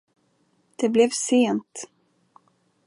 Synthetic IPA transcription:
d̪̥ɛblɛvseːnt̪

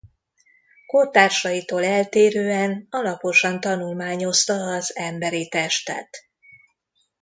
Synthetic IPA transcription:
kot̪aːrʃɒjit̪oːlɛlt̪eːɾøːɛnɒlɒpo̞ʃɒnt̪ɒnulmaːɲo̞st̪ɒːzɛmbɛɾit̪ɛʃt̪ɛ̰t̪

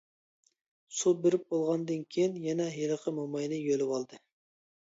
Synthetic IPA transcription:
subeɾɪp̚bolˠʁɑnd̪ɨnkʲʰejinjɛnɛɦeləqʰəmumɑjnɨjølɪwɑlˠd̪ɨ

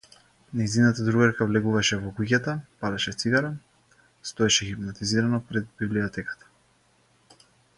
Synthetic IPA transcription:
nɛjzinat̪ad̪ɾuɡaɾkavlɛɡuvaʃɛvɔɡuɟʲat̪apad̪aʃɛt̪siɡaɾa | st̪ɔɛʃɛxipnat̪iziɾanɔpɾɛd̪̚bibliɔt̪ɛkḁt̪ḁ

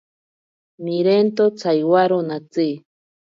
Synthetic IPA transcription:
miɾent̪ot͡sʰajwaɾonat͡si

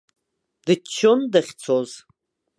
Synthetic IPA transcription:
d̥ɨt͡ʃʰːondaχʲt͡sʰoz

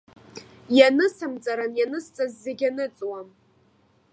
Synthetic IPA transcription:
janɨsɨmd͡zʼaɾanjanɨst͡sʼazːeɡʲanɨt͡sʼwam

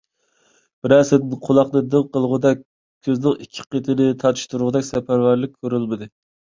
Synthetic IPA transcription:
b̥ɪɾæsɪd̪ɪnqʰolˠɑqnɨd̪ɨŋqəlˠʁʊd̪ɛk̚ʲʰː | øznɪŋikʲʰːɪ̥qʰet̪ʰɪnɪt̪ʰɑt̪ʰʃt̪uɾʁʊd̪ɛkʲsɛpʰæɾvæɾlɪk̚ʲʰːøɾylmɪd̪ɨ

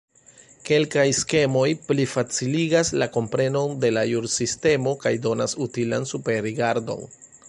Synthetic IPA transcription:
ke̞lkajske̞mo̞jplifat͡siliɡaslako̞mpɾe̞no̞nde̞lajuɾsiste̞mo̞kajdo̞nasutilansupe̞ɾɾiɡaɾdo̞̰n

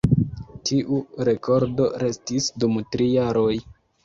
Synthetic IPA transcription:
tʰiʔuɾe̞kʰo̞ɾdo̞ɾe̞stisdumtɾijaɾo̞j

